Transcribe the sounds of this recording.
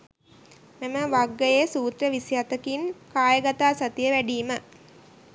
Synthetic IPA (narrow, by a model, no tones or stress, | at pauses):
meməʋaɡːəjesuːt̪rəʋisijat̪əkinkaːjəɡat̪aːsat̪ijəʋæɖiːmə